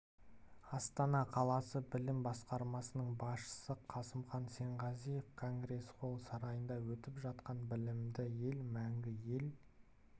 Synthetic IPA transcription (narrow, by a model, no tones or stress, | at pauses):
ɑst̪ɑnɑqʰɑlˠɑsəbɪlɪmbɑsqɑɾmɑsənəɴbɑsʃə̥səqʰɑsəmχɑnse̞ɴʁɑzije̞fkʰo̞ŋɡre̞sqʰo̞lˠsɑɾɑjənd̪ɑwɵt̪ɪpʒɑt̪qɑnbɪlɪmd̪ɪje̞lmæŋɡʲɪje̞l